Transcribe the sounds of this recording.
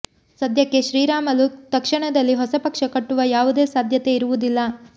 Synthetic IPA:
sɐd̪ʱjɐkːe̞ʃɾiːɾaːmɐlut̪ɐkʂɐɳɐd̪ɐlːiɦɔsɐpɐkʂɐkɐʈːuʋɐjaːʋud̪e̞ːsaːd̪ʱjɐt̪e̞iɾuʋud̪ilːɐ

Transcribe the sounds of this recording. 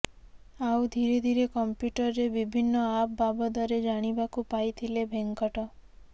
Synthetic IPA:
awd̪ʱiɾed̪ʱiɾekɔmpjuʈɔɾːebibʱinːɔap̚babɔd̪ɔɾed͡ʒaɽ̃ibakupajt̪ʰilebʱeŋkɔʈɔ

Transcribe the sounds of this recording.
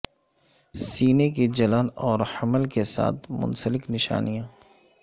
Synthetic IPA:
siːnekid͡ʒɐlənɔːɾhɐməlkesa̰ːt̪ʰmʊ̰nsəlɪknɪʃa̰ːnijãː

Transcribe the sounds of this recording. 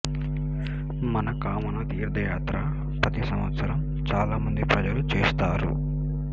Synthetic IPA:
mɐnɐkaːmɐnɐt̪iːɾd̪ʱɐjaːt̪ɾɐ | pɐt̪isɐmʋɐt̪sɐɾɐm | t͡ʃaːlaːmɐnd̪ipɾɐd͡ʒɐlut͡ʃeːst̪aːɾṵ

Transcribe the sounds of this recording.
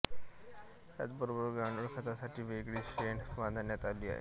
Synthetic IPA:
t̪ja̰t͡sbəɾobəɾɡɾaɳuɽkʰət̪asaʈʰiːʋeɡɭiːɕeɳʋand̪ʱanjat̪aliːa̰ɦḛ

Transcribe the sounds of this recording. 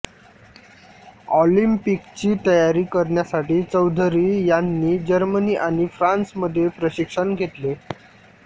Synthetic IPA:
ɔlimpikt͡ɕiːt̪əjaɾiːkəɾɳjasaʈiːt͡səwd̪ʱɾiːjanːiːd͡ʑəɾməniːʔaɽ̃ifɾãnsməd̪ʱːjepɾəɕikʂəɳɡʱet̪le

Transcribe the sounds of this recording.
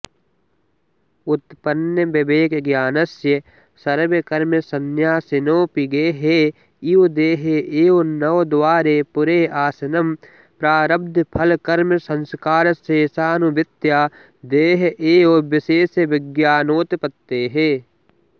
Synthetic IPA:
ʊt̪pɐnjɐbɐbeːkɡjaːnɐsjɐ | sɐɾʋɐkɐɾmɐsɐnjaːsɪnoːpiɡeːɦeː | id̪eːɦeʔeːonɐʋd̪waːɾeːpʊɾeːaːsɐnɐm | pɾaːɾɐb̚d̪ʱpʰɐlkɐɾmɐsɐ̃nskaːɾɐseːsaːnubɪt̪jaː | d̪eːɦʔeːobɪseːsɐʋɪɡjaːnoːt̪pɐt̪ːeːɦeː

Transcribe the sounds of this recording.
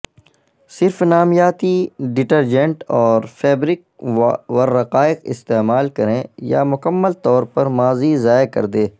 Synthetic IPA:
sɪɾfnaːmjaːt̪iɖɪʈəɾd͡ʒɛ̃ɳʈɔːɾfʰɛːbɾɪk̚ʋɐɾːɐqaːɪqɪ̰st̪eːmaːlkɐɾẽja̰mʊkəmːəlt̪ɔːɾpɐɾmaːzizaːekɐ̰ɾd̪eː

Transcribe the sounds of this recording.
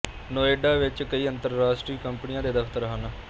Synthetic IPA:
noːeːɖaːʋɪt͡ʃkəiːənt̪əɾɾaːsʈɾiːkəmpnɪjãːd̪eːd̪əpʰt̪əɾɦaːnaː

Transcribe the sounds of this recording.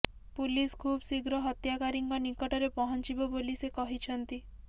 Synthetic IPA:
puliskʰubsiɡɾɔɦɔt̪jakaɾiŋkɔnikɔʈɔɾepɔɦɔnt͡ʃibɔbolisekɔɦit͡ʃʰɔnt̪i

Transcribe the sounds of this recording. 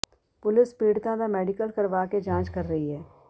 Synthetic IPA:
pʊlɪspiːɽt̪ãd̪amɛːɖɪkəlkɐɾʋaːked͡ʒãːt͡ʃkɐɾːɐɦiɦɛː

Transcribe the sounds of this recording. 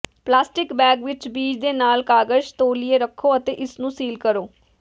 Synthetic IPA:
plaːsʈɪkbɛːɡʋɪt͡ʃbiːd͡ʒd̪eːnaːlkaːɡəd͡ʒt̪oːlieːɾəkʰːoːət̪eːʔɪsnũːsiːlkəɾoː

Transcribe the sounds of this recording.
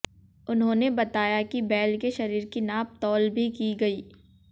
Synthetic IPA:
ʊnɦõːnebɐt̪aːjakibɛːlkeʃɐɾiːɾkinaːp̚t̪ɔːlbʱikiɡɐiː

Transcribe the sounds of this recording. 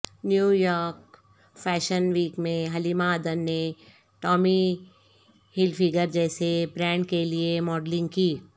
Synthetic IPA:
njuːjɔːɾk | fɛːʃənʋiːkmẽɦɐlimaəːd̪ənːe | ʈɔːmi | hɪlfɪɡəɾd͡ʒɛːsebɾɛ̃ːɳɖkeliemɔːɖlɪ̃ŋɡ̚kiː

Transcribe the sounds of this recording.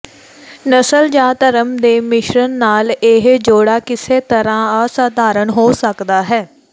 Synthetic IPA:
nəsəld͡ʒaːt̪əɾəmd̪eːmɪʃɾənːaːlɪɦd͡ʒoːɽaːkɪseːt̪əɾãːaːsaːd̪ʱaːɾənɦoːsəkd̪aːɦɛː

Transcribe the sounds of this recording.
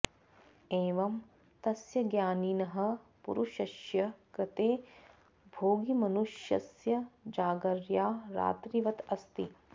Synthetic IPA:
eːʋɐm | t̪ɐsjɐɡjaːninɐɦɐ̆pṵɾuʃɐʃjɐkɾɐt̪eː | bʱoːɡimɐnuʃjɐ̰sjɐd͡ʒaːɡɐɾjaːɾa̰ːt̪ɾiʋɐt̪ɐst̪i

